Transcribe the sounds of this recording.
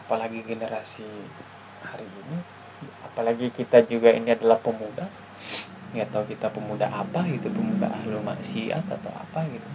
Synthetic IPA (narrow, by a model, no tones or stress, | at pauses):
apalaɡiɡenəɾasi | haɾiːni | apalaɡikit̪ad͡ʒuɡaḭniadalahpəmuda | jat̪aukit̪apəmuda̰ɦapaɡit̪upəmuda̰ahluma̰ʔsia̰t̪at̪a̰wa̰paɡit̪u